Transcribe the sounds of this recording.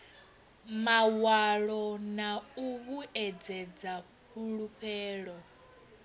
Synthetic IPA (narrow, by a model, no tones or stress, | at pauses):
mawaɺɔnauβuɛd͡zɛd͡za | ɸuɺuɸʰɛːɺɔ